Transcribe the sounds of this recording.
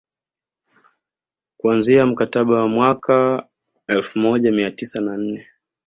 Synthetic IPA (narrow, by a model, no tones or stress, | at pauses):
kuanziam̩kataɓawamwaka | ɛlfumɔʄamiatisanan̩nɛ